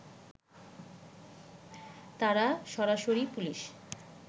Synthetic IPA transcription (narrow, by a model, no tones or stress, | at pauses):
t̪aɾaʃɔɾaʃoɾipuliʃ